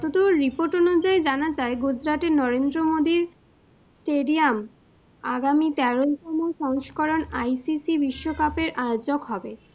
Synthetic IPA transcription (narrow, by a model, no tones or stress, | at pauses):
ɔt̪ot̪oɾipoɾʈɔnud͡ʑaed͡ʑanad͡ʑaeɡud͡ʑɾat̪enɔɾend̪ɾomod̪iɾ | sʈeɖiam | a̰ɡamit̪ɛɾoʃɔmɔeʃɔŋʃkɔɾonajsisibiʃːokapeɾʔaeod͡ʑokɦɔbe